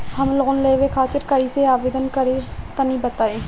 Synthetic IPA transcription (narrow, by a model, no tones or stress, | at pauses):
hɐmlɣʊnleːʋekʰaːt̪ɪɾkɐiseaːbeːd̪ənkɐɾet̪ɐnibɐt̪aeː